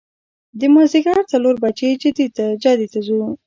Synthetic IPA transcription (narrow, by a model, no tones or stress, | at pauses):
d̪əmɑziɡaɾt͡saloɾbat͡ʃed͡ʒɪd̪it̪ad͡ʒad̪it̪azu